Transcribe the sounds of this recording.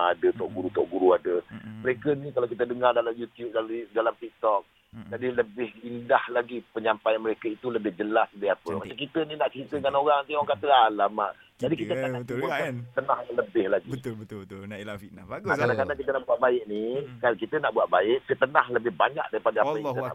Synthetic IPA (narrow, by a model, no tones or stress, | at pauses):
adət̪ɔʔɡuɾut̪ɔ̰ʔɡuɾuadəməɾekənikalawkit̪ədəŋardalamjut̪jup̚daidalamt̪ik̚t̪ɔk̚ | d͡ʒadiləbɪhindahlaɡipəɲampajanməɾekəit̪uləbɪhd͡ʒəlasdiapəmaʔt͡ʃak̬it̪əninaʔt͡ʃɾit̪əŋanoɾaŋt̪eŋɔŋkat̪əalamaʔ | d͡ʒadikit̪əkauat̪ənãhaləbɪhlaɡit̪bət̪nainaakadaŋkadaŋkit̪ənaʔbuat̪ʔ̚baɪʔ̚nikalkit̪ənaʔbuat̪ʔ̚baɪʔsət̪ənahləbɪhbaɲa̰k̚daɾipadəapəaaŋit̪əa̰ʔ